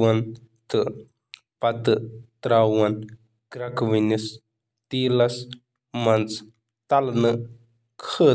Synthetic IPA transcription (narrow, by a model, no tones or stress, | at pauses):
an | t̪ɨʔ | pat̪ɨt̪ɾawan | kɾakwinis | t̪ilas | mant͡s | t̪alnəʔ | kʰə